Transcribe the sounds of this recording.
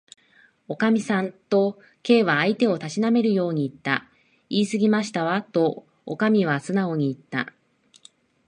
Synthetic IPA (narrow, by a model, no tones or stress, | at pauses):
o̞kamʲisãnt̪o̞ | ke̞ːβaːit̪e̞o̞t̪aɕiname̞ɾɯ̟jo̞ːɲ̟iːt̪ːa | iːsɨɡʲimaɕi̥t̪aβat̪o̞ | o̰kamʲiβ̞asɨnao̞ɲ̟iːt̪ːa̰